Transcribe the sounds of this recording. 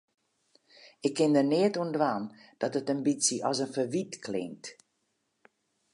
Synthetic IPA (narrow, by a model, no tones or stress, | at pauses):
ɪkʰːɪndərnɪətuəndʋaːnd̥ɔtətəmbit͡siʔɔsənfəʋitkʰlɪ̰ŋt